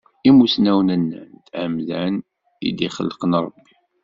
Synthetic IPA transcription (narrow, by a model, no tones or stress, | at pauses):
imusnæwnənːə̰nt̪ʕəmzæn | ḭd̪iχə̰lːqənɾˤəbːi̥